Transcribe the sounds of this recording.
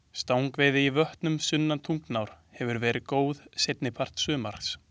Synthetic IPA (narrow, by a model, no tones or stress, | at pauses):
st̪aːwŋkvɛːðɪivœht̪nʏmsʏnːant̪ʰuŋknawɾ̥ | hɛvʏɾvɛːɾʔɪkoːwðsejt̪nɪpʰar̥t̪sʏːmaɾ̥ks